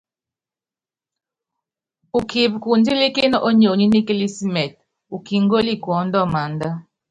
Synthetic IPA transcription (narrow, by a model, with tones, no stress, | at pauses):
u˨ki˨bku˨nd͡ʒi˦li˦kɪ˦nɔ˦ʔo˦ɲo˨ɲi˦ni˦ki˦li˦si˦mɛ˨t̚ | u˨ki˨ŋɡo˦li˦˨kwɔ˨˦ndɔ˦˨ma˨nda˦